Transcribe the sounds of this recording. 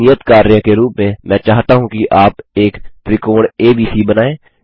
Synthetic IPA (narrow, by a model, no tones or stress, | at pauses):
ɪjət̪kaːɾjəkeɾuːpmẽmɛ̃ːt͡ʃaːɦt̪aɦũkiʔaːpeːkpɾɪkoːɽeːbiːsibənaːẽː